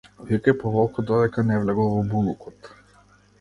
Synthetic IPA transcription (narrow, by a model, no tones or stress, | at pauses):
vikɛjpɔvɔlˠkɔd̪ɔd̪ɛkanɛvlɛɡɔlˠvɔbulˠukɔt̪